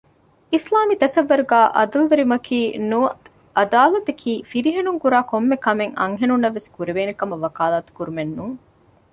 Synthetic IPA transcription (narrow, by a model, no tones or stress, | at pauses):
islaːmit̪ɐsɐʋːɐɾuɡæːʔɐd̪ulʋeɾimɐkʰiːnuɐ | ʔɐd̪aːlɐt̪ɐkʰiːfiɾiɦenuŋkuɾaːkomːekɐmeŋɐ̰ŋɦenunːɐʋːeskuɾiʋeːnekɐmɐʋɐkaːlaːt̪u̥kuɾumenːuːŋ